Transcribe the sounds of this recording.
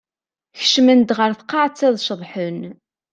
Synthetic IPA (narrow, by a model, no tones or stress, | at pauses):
çə̥ʃmənd̪ʁəɾθqːɑʕt͡sːæðˤʃəðˤħən